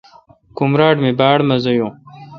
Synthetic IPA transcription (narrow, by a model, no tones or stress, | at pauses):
kumɾaːʈmibaːɽmɐzɐjõː